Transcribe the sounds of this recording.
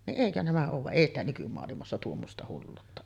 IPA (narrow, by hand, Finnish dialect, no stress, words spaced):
niʔ ʔeˑikø næmæ oːʋ ʋɑʔ ʔeˑi stæ nykymoɑlimɑsːɑ tuomːostɑ hulːuːtːɑ